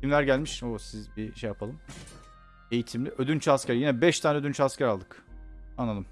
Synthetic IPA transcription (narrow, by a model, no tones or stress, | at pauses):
cʰimlʲæɾɟælʲmiʃosizbiʃejapʰalˠɯm | e̞jit̪ʰimlʲiʔød̪ynt͡ʃʰascæɾjinɛbɛʃt̪ʰaːnɛød̪ynt͡ʃʰascʲæɾalˠd̪ɯkanːalˠɯm